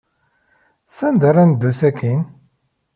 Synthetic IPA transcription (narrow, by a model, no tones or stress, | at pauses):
sænd̪aɾænd̪ːusækʰːin